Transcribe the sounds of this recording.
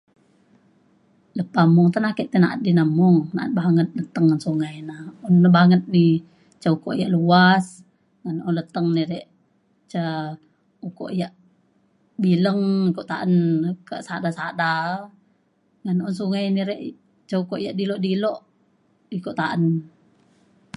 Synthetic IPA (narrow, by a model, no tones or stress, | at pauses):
ləpːamɔŋt̪anakɛʔt̪ɛnaʔət̪̚dinəmɔŋna̰ʔə̰t̪̚baŋət̪̚lət̪əŋːansuŋajnaɔnːabaŋət̪̚ni | t͡ʃaukɔ̰ʔjaʔluas | ŋanɔnlət̪əŋniɾɛʔ | t͡ʃa | uko̰ʔjaʔ | biləŋikɔʔt̪aʔənkaʔsadasada | ŋanɔnsuŋajniɾɛʔ | t͡ʃaukɔʔjaʔdilɔʔdilɔʔ | ikɔʔt̪aʔən